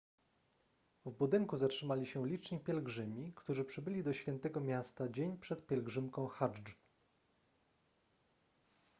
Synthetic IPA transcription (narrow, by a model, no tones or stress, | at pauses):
vbud̪ɘŋkuzatʂɘmalʲiɕɛlʲit͡ʂɲipʲjɛlɡʐɘmʲikt̪uʐɘpʂɘbɘlʲid̪ɔɕfʲjɛnt̪ɛɡɔmʲjast̪ad͡ʑeɲpʂɛt̪pʲjɛlɡʐɘmkɔ̃w̃xaʐ